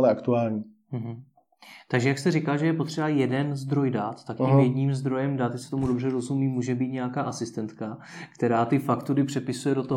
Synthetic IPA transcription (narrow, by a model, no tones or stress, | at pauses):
lɛakt̪uaːlɲi | m̩ɦ̩ | t̪aɡʒɛjakst̪ɛrɪkalʒɛjɛpo̞t̪r̝̥ɛbajɛdɛnzd̪ɾo̞jdaːt̪ːakɲimjɛdɲiːmzd̪ɾo̞jɛmdaːt̪jasɛ̥t̪o̞mudo̞brɛɾo̞zumiːmːuːʒɛbiːt̪ɲɛjakaːʔasɪst̪ɛnt̪ka | kt̪ɛɾaːt̪ɪfakt̪uɾɪpr̝̥ɛpɪsujɛdo̞t̪oɦ